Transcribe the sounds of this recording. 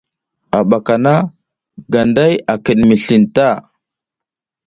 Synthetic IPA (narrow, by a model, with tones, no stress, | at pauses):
a˨ɓa˨ka˨na˦ | ɡa˨nda˦ja˨kə˨ɗmi˨ɬi˨nta˦˨